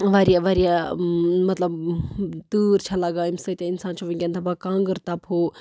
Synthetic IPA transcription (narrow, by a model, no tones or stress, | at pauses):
ʋaɾijaʋɐɾija | mɐt̪lɐbt̪uːɾt͡ʃʰɐlaɡaːimsɐt̪ʲainsaːnt͡ʃʰɐʋĩŋɡʲɐnt̪ʰɐbakãːŋɡəɾt̪ɐpɦoː